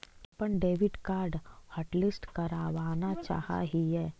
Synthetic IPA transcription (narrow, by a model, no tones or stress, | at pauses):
pəɳɖeːʋɪɖkaːɾɖhəʈlɪsʈkɐɾaːʋaːnat͡ʃa̰ːha̰ːɦiɦɛː